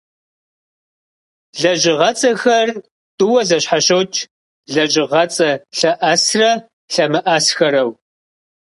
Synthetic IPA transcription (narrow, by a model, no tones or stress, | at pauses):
ɮɐʒɪʁɐt͡sʼɐxɐr | tʼʊwɐzɐɕħaɕowt͡ʃʰʼ | ɮɐʑɪʁɐt͡sʼɐɬɐʔɐsrɐ | ɬɐmɨʔɐsxɐɾɐw